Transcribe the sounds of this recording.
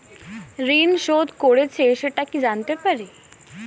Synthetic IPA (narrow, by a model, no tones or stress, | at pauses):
ɾinʃod̪koɽet͡ɕʰeʃeʈakid͡ʑant̪epaɾi